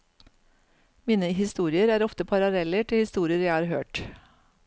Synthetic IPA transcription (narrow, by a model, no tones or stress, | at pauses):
miːnəɦɪst̪uːɾɪəɾæːɾɔft̪əpʰɑɾɑlɛləʈʰɪlhɪst̪uːɾɪəɾjæɪhɑːɾhø̰ːʈ